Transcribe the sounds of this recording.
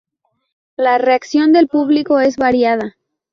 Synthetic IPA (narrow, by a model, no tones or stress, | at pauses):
lare̞aksjo̞nd̪e̞lpuβliko̞e̞zβaɾjað̞a